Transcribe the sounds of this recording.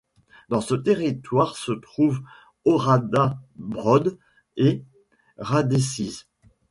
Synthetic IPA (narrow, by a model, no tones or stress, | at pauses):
d̪ɑ̃sət̪eʁit̪waʁsət̪χuv | ɔʁad̪abʁɔd̪ | e | ʁad̪esiz